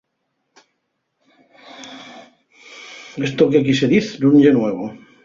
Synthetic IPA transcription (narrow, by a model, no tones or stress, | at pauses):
est̪okekiseðiθduɲʎenweβo